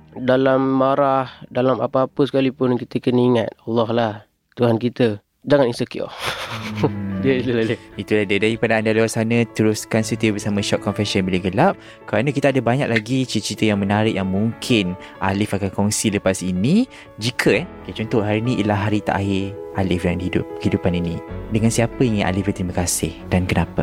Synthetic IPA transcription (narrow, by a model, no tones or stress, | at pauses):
dalamːaɾahdalama̰paapəsəkalipʊnkit̪əkəniŋat̪̚ɑlːɔhlah | t̪uɦankit̪ə | d͡ʒaŋaninsəko̰ | əilulaləit̪ulahdadaɾipadaandaluarsanə̃t̪əɾʊskansut̪əbəsamãʃɔʔ̪̚kɔnfɛsənbilaɡəlap̚ | kəɾanãkit̪aːdabaɲak̚laɡit͡ʃit̪t͡ʃɾit̪əjaŋmənaɾɪʔjaŋmuŋkʰɪn | ʔa̰lɪfakankɔŋsiləpasinĩ | d͡ʒikʰəket͡ʃɔnt̪ɔʔɦaɾiniʔilaɦaɾit̪a̰ʔaɦɪʔalɪfdadhidʊ̰p̚idupaninĩdəŋansiapəiŋɪnʔa̰lɪfbət̪ɾimakasɪhdankənapə